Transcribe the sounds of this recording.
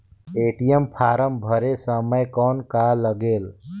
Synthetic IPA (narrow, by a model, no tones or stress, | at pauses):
eʈijəmpʰaɾəmbʱəɾesəməjkɔnkaləɡeːl